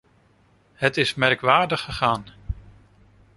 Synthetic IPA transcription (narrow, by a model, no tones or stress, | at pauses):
ɦətɪsmɛrkʋaːɹdəχːəχaːn